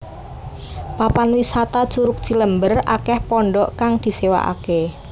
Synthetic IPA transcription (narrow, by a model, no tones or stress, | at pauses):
papanwisat̪ḁt͡ʃuɾʊk̚t͡ʃiləmbəra̰kɛhpɔɳɖɔʔkaŋd̪̥i̤sewa̰ʔa̰ke